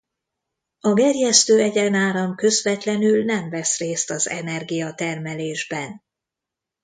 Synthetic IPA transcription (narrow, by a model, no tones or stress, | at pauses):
ɒɡɛrjɛst̪øːɛɟɛnaːɾɒmkø̞zvɛt̪lɛnylnɛɱvɛsreːst̪ɒzɛ̰nɛrɡijɒt̪ɛrmɛleːʒbɛn